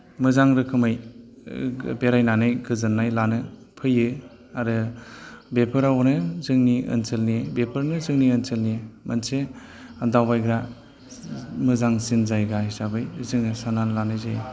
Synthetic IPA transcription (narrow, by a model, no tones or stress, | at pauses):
mɯzaŋɾɯkʰɯmɯj | beɾajnanɯjɡɯzɯnːajlanɯ | pʰɯjɯ | aɾɯ | bepʰɯɾawnɯzɯŋniɯ̰nselniebepʰɯɾnɯzɯŋniɯnselniemanse | adawbajɡɾa | mɯzaŋsinzajɡahisabɯjzɯŋɯsananlanɯjzaj